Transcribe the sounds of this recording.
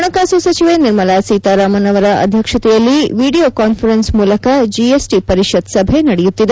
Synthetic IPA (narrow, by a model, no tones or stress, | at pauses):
ɳɐkaːsusɐt͡ʃiʋeːniɾmɐlaːsiːt̪aːɾaːmɐnɐʋɐɾɐʔɐ̰d̪ʱjɐkʂɐt̪ɛjɐlːiʋiːɽioːkaːnfʰɐɾensmuːlɐkɐd͡ʒiesʈipɐɾiʂɐd̪sɐbʱe̞nɐɽɛjut̪ːid̪e